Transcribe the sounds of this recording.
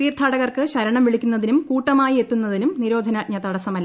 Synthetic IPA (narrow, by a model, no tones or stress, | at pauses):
iːrt̪ʰːaːɽɐɣɐrkɨɕɐɾɐɳɐmʋiɭikʲːunːɐðinumkuːʈːɐmaːjie̞t̪ːunːɐðinumniɾo̞ːd̪ʱɐnaːɲɐt̪ɐɽɐsɐmɐlː